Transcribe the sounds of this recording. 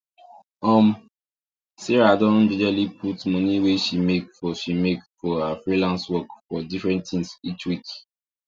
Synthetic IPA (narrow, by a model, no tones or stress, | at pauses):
ɔ̃m | siɹadɔnd͡ʒid͡ʒalipʰutmɔ̃niweʃimekfɔʃimekfɔhafɹilãnswɔkfɔdifɹɛ̃nttθĩŋsit͡ʃwik